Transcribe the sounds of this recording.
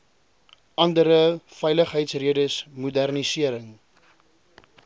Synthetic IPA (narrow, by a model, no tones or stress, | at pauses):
ʔɐndəɾəfɛjləχɦəjtsriədəsmudærnisiəɾəŋ